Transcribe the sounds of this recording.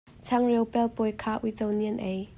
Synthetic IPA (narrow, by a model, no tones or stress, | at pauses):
t͡sʰɐŋrewpɛlpɔjkʰaːʔujt͡sowniənʔej